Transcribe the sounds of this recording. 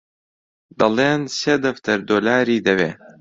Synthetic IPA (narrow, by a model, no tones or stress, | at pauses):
d̪ɐleːnseːd̪ɐft̪ʰɐɾd̪oːlaːɾiːd̪ɐweː